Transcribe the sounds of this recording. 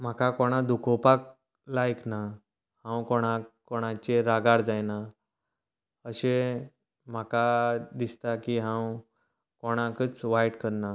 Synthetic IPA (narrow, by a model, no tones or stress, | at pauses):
m̤akakoɽ̃ad̪ʱukʰopak̚ | lajkna | hãwkoɽ̃akoɽ̃at͡ɕeɾaɡaɾd͡zajna | əɕe | m̤akad̪ist̪akiɦãw | koɽ̃akət͡sʋajʈkəɾna